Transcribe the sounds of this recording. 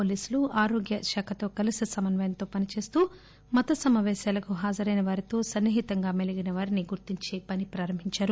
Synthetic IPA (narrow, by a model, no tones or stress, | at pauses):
poːliːsuluaːɾoːɡjɐʃaːkʰɐt̪o̞ːkɐlisisɐmɐnʋɐjɐnt̪o̞ːpɐnit͡ʃe̞ːst̪uː | mɐt̪ɐsɐmaːʋɛːʃaːlɐkuɦaːd͡ʒɐɾɐjnɐʋaːɾit̪o̞ːsɐnːiɦit̪ɐŋɡaːmeliɡinɐʋaːɾiniɡuɾt̪iɲt͡ʃeːpɐnipɾaːɾɐmbʱiɲt͡ʃaːɾu